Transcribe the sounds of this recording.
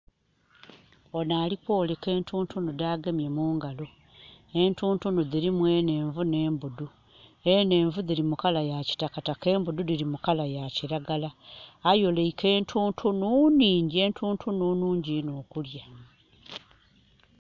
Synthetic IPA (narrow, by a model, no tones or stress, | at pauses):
onaːlikwo̞ːleke̞ːntuːntʰunudaːɡemjemuːŋɡalo | e̞ntuːntunuðiɾimwe̞ne̞ːɱvune̞ːmbudu | ene̞ːɱvuðiɾimukalajaci̥takatake̞ːmbududiɾimukalajaciɾaɡalaːjo̞leike̞ːntʰuːntʰununiːɲɟie̞ntʰuːntʰununuːɲɟinoːkulja